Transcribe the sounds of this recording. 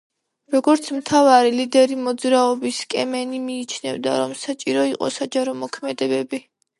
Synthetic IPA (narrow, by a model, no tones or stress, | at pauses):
ɾɔɡɔɾt̪sʰmt̪ʰavaɾilid̪ɛɾimɔd̪zɾaɔbiskʼɛmɛnimiːt͡ʃʰnɛ̰vd̪aɾɔmsat͡ʃʼiɾɔiqʼɔ̰sad͡ʒaɾɔmɔkʰmɛd̪ɛbɛbi